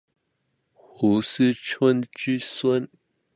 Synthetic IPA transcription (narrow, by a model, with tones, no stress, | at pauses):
xu˨˦s̩˦ʈ͡ʂʰwə˦nt͡ɕy˥swə˥˦n